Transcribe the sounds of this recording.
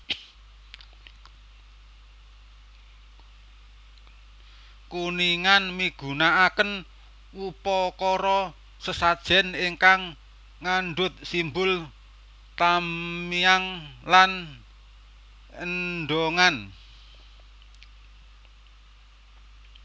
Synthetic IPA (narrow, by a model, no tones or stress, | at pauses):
kuniŋanmiɡ̥ṳnaakən | upɔkɔɾɔ | səsad̥ʒ̥ɛ̤niŋkaŋː | anɳɖʊt̪̚simbʊl | t̪amiaŋlan | əɖoŋan